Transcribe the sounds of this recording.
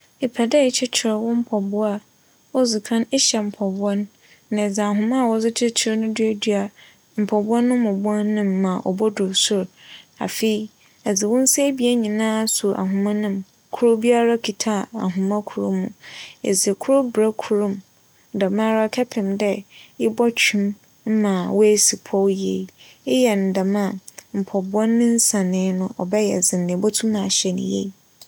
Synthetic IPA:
e˨pʰɛ˨dɛ˦˨˦t͡ɕʰɪ˦t͡ɕʰɪ˨ɾwʊ̃˦m̩˦pʰɔ˨bʊ˦a˦ | ɔ˦zu˨kʰã˦ne˦ɕɛ˨m̩˨pʰɔ˨bʊ˦a˦n | nã˨d͡zɪ˨a˨ɦʊ̃˨mã˦˨wɔ˨d͡zɪ˦t͡ɕʰɪ˦t͡ɕʰɪ˦ɾnʊ̃˦dɥe˦dɥa˨ | m̩˨pʰɔ˨bʊ˦a˦nːʊ̃˦m˦ʊ̃˨bʊ˦ã˦n˦nːɪ̃˦mːã˨ʔɔ̰˨bɔ˦dʊ˨sʊ˦ɾa̰˨fe˨i˨ | ɛ˨d͡zɪ˨wʊ̃˦n̩˦se˦bi˦e˦ɲĩ˨nãː˦˨su˨ʔa̰˨ɦʊ̃˨mã˦nʊ̃˦m | kʰʊ˦ɾʊ˦bi˦a˦ɾa˦kʰi˨tʰa˦˨a̰˨ɦʊ̃˨mã˦kʰu˨ɾʊ̰˦mũ˨ḛ˨d͡ze˨kʰʊ˦ɾʊ˦bɾa˦kʰu˨˦ɾʊ̃˦˨m | da˨mã˦ɾa˦kʰɛ˦pʰɪ̃˨mdɛ˦ɪ˦bɔ˦t͡ɕᶣʰũ˦m | m̩˦mã˨wɔ˦e˦si˨pʰɔ˦wje˨ | ɪ˦jɛ˨n̩˨da˨mã˦˨m̩˨pʰɔ˨bʊ˨˦ɔ˦nːɪ̃˦n̩˦sã˨nɪ̃˨˦nʊ̃˦ʔɔ˨bɛ˦jɛ˨d͡zɪ̃˨nːɪ̃˨bɔ˦tʰu˦nã˨ɕɛ˨nɪ̰̃˨jḛ˦˨

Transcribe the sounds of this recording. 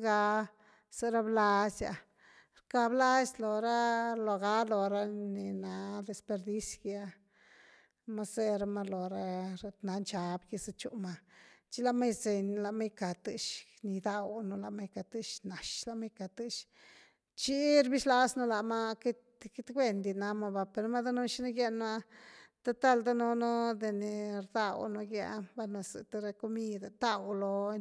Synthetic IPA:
ɡa˧˦ | se˧ɾa˦bla˧sja̰˨ | ɾka˧bla˦slo˨ɾa˦lo˨ɡa˧˦lo˨ɾa˦ni˨na˨˦d̪e˨spe˧ɾd̪i˦sɡa˦ | ma˦se˧ɾa˧ma˧lo˨ɾa˦ɾt̪na˨˦nt͡ʃa˨bɡi˧sa˧t͡ʃṵ˦ma˧t͡ʃi˦la˧ma˦jze˨nla˨ma˦jka˨t̪ɨ˧ʃni˨d̪a˧wno˧la˨ma˦jka˨t̪ɨ˦ʃna˨ʃla˧ma˦jka˨t̪ɨ˦ʃ | t͡ʃi˦ɾbi˦ʃla˧˦sno˦la˨ma˦ki˦t̪ | ki˦t̪ɡʷe˦˧nd̪i˧na˧ma˧ba˧pe˨ɾma˦d̪a˦no˦ʃi˦na˦ɡje˦nma˦t̪a˦t̪a˦˧˨ld̪a˦no˧no˦d̪e˨ne˨ɾd̪a˦˧wno˧ɡja̰˧˦ba˦na˧sɨ̰˨t̪a˦ɾa˧ko˦mi˦d̪a˨t̪a˦˧wlo˧

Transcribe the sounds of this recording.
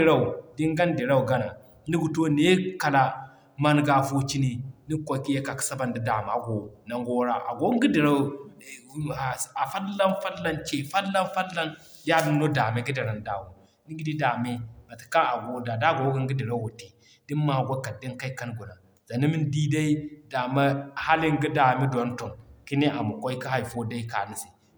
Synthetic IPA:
ɾa˦u˨di˦ŋɡa˦n˦di˨ɾa˦u˨ɡa˦na˨˦ | ni˦ɡu˨to˦ne˦ka˨la˦ | ma˦nɡa˦fo˦t͡ʃi˦ni˨ni˦kʷo˨ki˦ja˦ka˨ksa˦ba˨ndi˦da˨ma˨ɡo˨na˨ŋɡo˦ɾa˦ʔa̰˨ɡo˦ŋ˦ɡi˦di˨ɾa˦˨˦ | a˨a˨fa˦lːa˦nfa˦lːa˦nt͡ʃe˨fa˦lːa˦nfa˦lːa˦n | da˦di˦m˦no˦da˨me˦ɡi˦di˨ɾa˨n˦da˨wu˨ | ni˦ɡi˦di˦da˨me˦ma˨ti̥˨ka˦a˨ɡo˨da˨da˦˨ɡo˨˦ɡi˦ŋ˦ɡi˦di˨ɾa˦wu˨ti˨ | d̥i˦m˦ma˨ɡo˦ka˨di˦nka˦ka˦nɡu˨na˨ | za˨ni˦mi˦ndi˦da˦i˦da˨ma˦ha˦li˦ŋ˦ɡi˦da˨mi˦da˨˦n˦to˨nki˦ne˦ʔa˨mu˨ko˦i˦ki˦ɦa˦i˨fo˦da˦i˦ka˨ni˦si˨

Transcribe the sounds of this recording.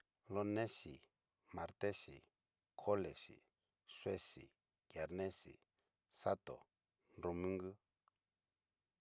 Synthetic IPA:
lo˦nẽ˦ʃi˨ | mã˨ɾt̪e˦ʃḭ˨ | kʰo˦le˨ʃḭ˨ | ʂwe˦ʃi˨ | kja˨ɾnẽ˦sḭ˨ | sa˦t̪o̰˨ | nɾo˧mĩ˦ŋɡɨ˦

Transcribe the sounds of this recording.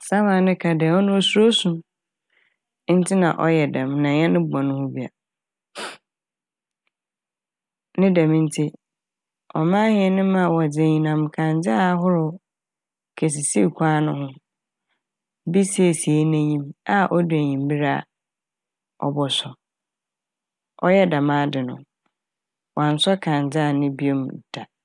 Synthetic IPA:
sã˦mã˨nɪ̃˦kʰa˨dɛ˨ɔ˦nʊ̃˦ɔ˨su˦ɾo˦sũ˨˦ | n̩˦tʰɪ˦nã̰˨ʔɔ˦jɛ˨dã˨mnã˨ɲɛ̃˦nɪ̃˦bɔ̃˨nʊ̃˦hʊ̃˦bi˨a̰˨ | nɪ̃˦dã˨mɪ̃˦n̩˦tʰi˦ | ɔ˨mãː˦hɪ̃˨˦ɛ˦˨nɪ̃˦mã˦˨wɔ˨d͡ze˨ɲĩ˨nã˨m˨kʰã˨n˦d͡zɪ˦a˦ɦʊ˦ɾʊ˨ | kʰe˨s̬i˨si˦˨kʷʰãː˦nʊ̃˦ɦʊ̃˦ | bi˦se˨si˨e˦næ̃˦ɲĩ˦ma˦ʔɔ˦du˨æ˨ɲĩ˨m˦bi˦ɾa̰˦ | ɔ̰˦bɔ˨sʊ˨ | ɔ̰˦jɛ˦da˨mãː˦dɪ˨nʊ̰̃˨ | wʔã˨n̩˨sɔ˦kʰã˨n˨d͡zɪ˦a˨nɪ̃˦bi˦o˦m˨d̥a˨

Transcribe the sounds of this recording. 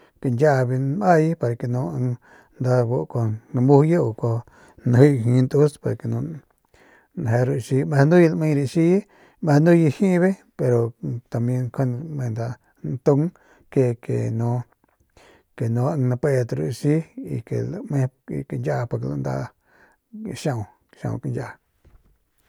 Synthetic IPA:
ke˨nd͡ʒa˦ʔβi˧n˧a˦˧ji˦pa˧ɾa˨ke˨nũ˧˦a˧ŋ | nd̪a˧bo˧ʔko˧nã˧mu˦hja˦o˧ko˧ | nã˧hi˦˧ɦĩ˧nd̪u˦spa˨ɾa˨ke˨nũ˧ | n˨ɦe˧ɾu˧ʃi˧me˧nd̪u˦ji˧la˧˨mẽ˧ɾi˧ʃi˦ | mẽ˧nd̪u˦ji˧hĩ˦βe˦ | pe˧ɾo˨t̪a˨mjẽ˧ŋkʰo˦n˧mẽ˧nd̪a˧ | nt̪u˦ŋ | ke˧kḛ˨nũ˧˦ | ke˨nũ˧˦a˧nã˧pe˧t̪ɾṵ˧˨˧ʃi˦ḭ˧kḛ˨lmẽ˦˧i˧ke˧nd͡ʒa˦˧po˧ɾke˧la˧nd̪a̰˧ | ʃã˦˧ũ˧ | ʃã̰˧˨ṵ̃˧knd͡ʒa˦ʔ

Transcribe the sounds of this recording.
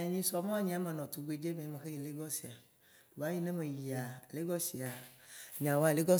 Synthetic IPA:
e˨ɲĩ˦sɔ˨m̃˦ɲĩ˦a˦me˨nɔ̃˨t̪u˨ɡ͡be˨d͡ʒe˦mẽ˨˦me˨xe˦ji˨le˦ɡɔ˦si˨a˨ | ba˨˦ji˦nẽ˦me˨ji˨a˨le˦ɡɔ˦si˨a˨ɲã˨wa˦le˦ɡɔ˦

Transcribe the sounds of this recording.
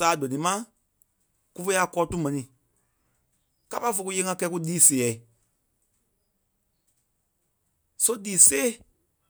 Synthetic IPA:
saː˨˦dɔ̃˨nĩ˨˦mã˦ | ku˧fe˦a˧kɔː˧˦tu˦mɛ̃˨nĩ˨ | ka˦pa˧˦fo˧ku˧jeː˧˦ŋã˧kɛ˧˦ku˦diː˦se˨ɛ˨i˨ | so˦diː˨˦seː˦˨

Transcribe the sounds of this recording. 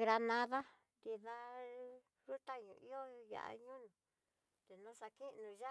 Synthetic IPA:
ɡɾa˧nã˧ða˦ | nd̪i˧ða˧ | ʐu˦t̪a˦ɲũ˧i˦o˦ja̰˨ʔa̰˧ɲũ˦nũ˨ | t̪e˨nũ˦sa˧ki˦˧nũ˧ʒa˦

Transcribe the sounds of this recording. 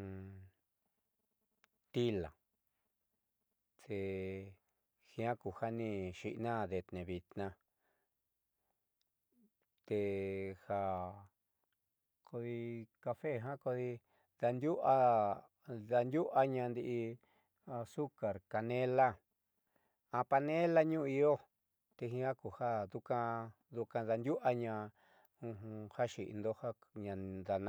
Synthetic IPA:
t̪i˦la˨ | t̪e˧ | xĩ˧ã˦ku˨ha˦nĩ˧ʃi˧ʔnã˦˨ðe˧t̪nẽ˨βi˧t̪nã˧ | t̪e˧ha˧˨ | kʰo˧ði˧ka˧fe˦˨ɦã˦ko˧ði˧ | ða˧nd̪ʲju˦ʔa˧ | ða˧nd̪ju˦ʔa˧ɲã˧nd̪i˧ʔi˧ | su˦ka˨ɾka˧nẽ˦la˦ | ã˧pa˧nẽ˦la˦ɲũ˦˧i˧o˦ | t̪e˧ɦĩ˧˦ha˦ku˨ha˦ðu˧kã˧ | ðu˧kã˧ða˧nd̪ju˦ʔa˧ɲã˧ | ũ˧ũ˧ha˦ʃi˨ʔḭ˧nd̪o˦ha˦ɲã˧d̪a˨n

